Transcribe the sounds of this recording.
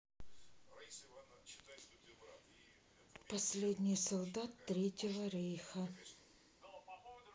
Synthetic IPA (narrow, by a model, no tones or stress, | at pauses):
pɐsʲlʲedʲnʲɪjsɐlˠd̪at̪ːɾʲetʲɪvəɾʲejxə